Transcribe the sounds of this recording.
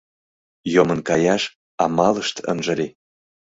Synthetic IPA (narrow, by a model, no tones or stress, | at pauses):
jomə̆nkɑjɑʃ | ɑmɑləʃt̪ə̰nʒə̆ɾʲe